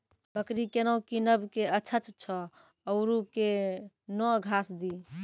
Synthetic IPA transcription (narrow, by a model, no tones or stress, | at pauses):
bəkɾikenəwkinəbkeət͡ʃʰət͡ʃt͡ʃʰɔː | ʊɾuke | nɔɡʱasd̪i